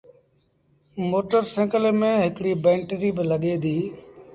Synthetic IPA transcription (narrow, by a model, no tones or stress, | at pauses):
moːʈəɾsẽːkəlmẽːɦɪkɽiːbɛ̃ːɳʈɾiːbɪləɠeːd̪ʱiː